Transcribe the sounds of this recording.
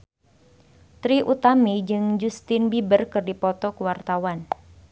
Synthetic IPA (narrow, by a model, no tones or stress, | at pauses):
t̪ɾiʔut̪amid͡ʒɨŋd͡ʒust̪ɪnbibərkɨrdipɔt̪ɔkuwart̪awan